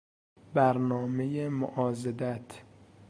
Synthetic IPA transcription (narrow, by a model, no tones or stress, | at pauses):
bæɾnɒːme̞jemo̰ʔɒːzed̪æt̪ʰ